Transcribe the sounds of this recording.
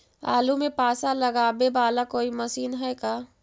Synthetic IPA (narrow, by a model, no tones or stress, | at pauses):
a̰ːlumẽpaːsalɐɡabebaːlakoːimɐsiːnɦɛkaː